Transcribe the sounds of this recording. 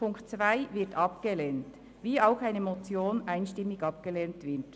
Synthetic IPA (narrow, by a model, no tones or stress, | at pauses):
ʊŋktt͡svaɪvɪɐtɑpɡ̥əleːnt | viːaʊxaɪnəmot͡sjoːnʔaɪnʃtɪmːɪɡɑp̚ɡ̥əleːntvɪt